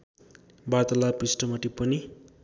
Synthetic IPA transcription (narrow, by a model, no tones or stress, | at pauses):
bat̪ʌlapisʈʌmʌʈipʌni